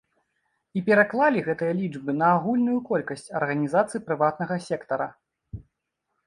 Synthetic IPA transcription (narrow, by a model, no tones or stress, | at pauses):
ipʲɛɾaklˠalʲiɣɛt̪ɨjɐlʲid͡ʐbɨnɐːɣulʲnujukɔlʲkɐsʲt͡sʲɐ̰rɣɐnʲizat̪sɨjipɾɨvat̪nɐɣɐsʲɛkt̪ɐɾɐ̰